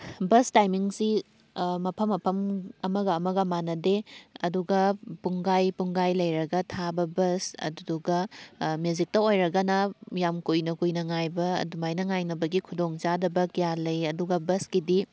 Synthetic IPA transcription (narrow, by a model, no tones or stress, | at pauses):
bɐstajmiŋsi | mɐpʰɐmːɐpʰɐmɐmɐɡɐːmɐɡɐmanɐdeɐduɡɐpuŋɡajpuŋɡajlɐjɾɐɡɐtʰabɐbɐsɐ̰dduɡɐmjuzik̚tɐojɾɐɡɐnɐjamkujnɐkujnɐŋajbɐɐ̰dumajnɐŋajnɐbɐɡikʰudoŋt͡ʃadɐbɐkijalɐjɐduɡɐbɐskidi